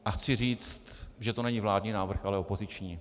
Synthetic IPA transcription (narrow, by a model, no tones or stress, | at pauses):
ʔaxt͡sɪriːt͡st̪ʒɛt̪onɛɲiːvlaːdɲiːnaːvr̩xʔalɛo̞po̞zɪt͡ʃɲiː